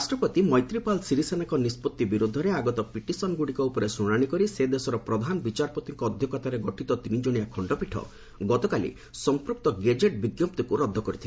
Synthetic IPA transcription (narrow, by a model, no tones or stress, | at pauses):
sʈɾɔpɔt̪imɔjt̪ɾipalsiɾisenakɔnispɔt̪ːibiɾud̪ʱːɔɾeaɡɔt̪ɔpiʈisɔnɡuɽikɔupɔɾesɾuɽ̃aɽ̃ikɔɾised̪esɔɾɔpɾɔd̪ʱanbit͡ʃaɾpɔt̪iŋkɔːd̪ʱjɔkɔt̪aɾeɡɔʈʰit̪ɔt̪inid͡ʒoɽ̃ijakʰɔɳɖɔpiʈʰɔ̰ | ɡɔt̪ɔkalḭ | sɔmpɾuk̚t̪ɔɡed͡ʒeʈbiɡjɔp̚t̪ikuɾɔd̪ʱːɔkɔɾit̪ʰi